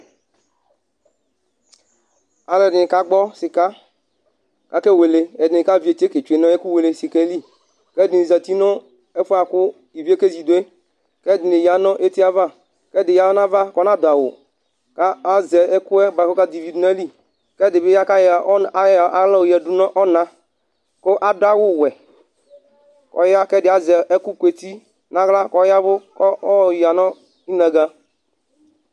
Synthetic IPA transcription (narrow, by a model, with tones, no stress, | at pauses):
a˨lɛ˨dɪ˨nɪ˨ka˦ɡ͡bɔ˦sɪ˨ka˦ | ka˨ke˦we˨le˨ɛ˨dɪ˨nɪ˨ka˦vi˦e˨t͡ʃe˦ke˨t͡ʃu˨e˨nɔ̃˦e˦ku˦we˨le˨si˨kɛ˦li˦ | kɛ˦dɪ˨ni˨za˨t̪i˦nɔ˦ | ɛ˦fo˦a˨kʊ˦ | i˨vi˦e˦ke˦zi˨do˨˦e˦ | kɛ˦˨dɪ˨nɪ˨ja˨nɔ̃˦ʔe˦t̪i˦a˦va˦ | kɛ˦dɪ˨ja˨˦ɔ˦na˦va˦kɔ˦nã˦˨d̪a˨wʊ̰˨ | ka˦a˦zɛ˨ɛ˦ku˦ɛ˦ba˨ko˦ka˦di˨vi˨dna˦li˦ | kɛ˦dɪ˨bɪ˦ja˦ka˦jʔa˨˦la˦o˨jɛ˨du˦nɔ˦ʔɔ˦na˦ | ko˦ʔa˦da˦wʊ˦˨wɛ˨ | kɔ̰˨ja˦kɛ˦˨dɪ˨a˨zɛ˨ʔɛ˦ku˦ke˨ti˦ | na˦ɣla˦kɔ˦ja˦vʊ˦kɔ˦ɔ˦˨ja˨nɔ˦ | i˦na˨ɡa˦